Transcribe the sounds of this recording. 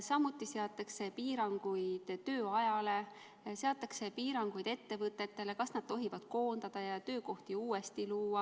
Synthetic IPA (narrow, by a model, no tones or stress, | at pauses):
sɑmut̪ˑːiseɑt̪ːˑekse̞piːɾɑŋɡ̥ujd̪̥t̪ø̞ːɑjɑle̞ | se̞ɑt̪ːˑɑkse̞piːɾɑŋɡ̥ujd̪̥e̞t̪ːe̞vɤt̪ːˑe̞t̪ːe̞le̞kɑsnɑd̪̥̚t̪o̞ɦivɑd̪̥ko̞ːnd̪̥ɑd̪̥ɑjɑt̪ø̞ːko̞ht̪iuːe̞st̪iluːɑ